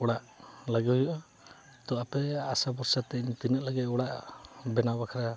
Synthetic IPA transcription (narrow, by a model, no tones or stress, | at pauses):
ɔɽaʔ | laɡɛjɔʔa | t̪ɔapɛasabɔɾsat̪ɛɲt̪inɛt̪̚laɡɛt̪ɔɽaʔbɛnabakʰaɾa